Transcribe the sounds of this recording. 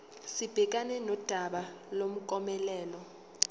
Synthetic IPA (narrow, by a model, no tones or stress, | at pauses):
sib̥ʱɛk̬anɛnɔd̥ʱaɓa | lom̩kʼɔmɛlɛːlɔ